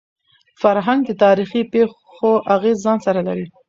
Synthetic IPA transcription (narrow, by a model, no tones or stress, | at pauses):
faɾɦaŋɡ̚d̪ət̪ɑɾixipex | oʔaɣezːɑnsaɾalaɾi